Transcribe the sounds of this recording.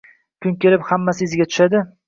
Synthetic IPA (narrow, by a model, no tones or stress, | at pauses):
kʰʲʊŋkʲe̞lɪphamːasɪɪzɪɡʲat̪ʰʊ̥ʃad̪ɪ